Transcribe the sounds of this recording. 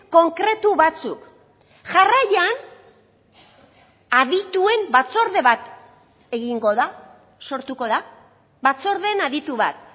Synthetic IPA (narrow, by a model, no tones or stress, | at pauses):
ko̞ŋkɾe̞t̪uβat͡suk | ʝarajan | aðit̪ue̞mbat͡so̞ɾðe̞βat̪ | e̞ɣiŋɡo̞ða | so̞ɾt̪uko̞ða | βat͡so̞ɾðe̞naðit̪uβa̰t̪̚